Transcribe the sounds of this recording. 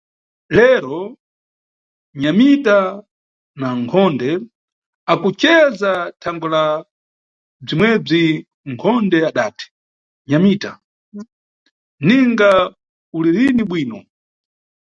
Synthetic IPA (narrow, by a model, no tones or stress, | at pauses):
lɛɾɔ | ɲamita | naŋkʰɔndɛ | akut͡ʃɛzatʰaŋɡɛla | b͡ʐimwɛb͡ʐi | ŋkʰɔndɛaɗaːtʰi̥ | ɲamiːta̰ | niŋɡa | uliliniɓwiːnɔ